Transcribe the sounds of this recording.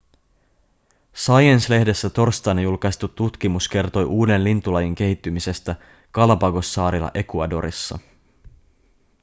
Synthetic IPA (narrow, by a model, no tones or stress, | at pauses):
sɑjensle̞hde̞sːæt̪o̞rst̪ɑnɑjulkɑjst̪ut̪ːut̪k̟imuske̞rt̪o̞jʔuːde̞nlint̪ulɑjiŋk̟e̞hit̪ːymise̞st̪æ | kɑlɑpɑɡo̞sːɑːɾilɑ̰ʔe̞kuɑdo̞̰ɾḭsːɑ̰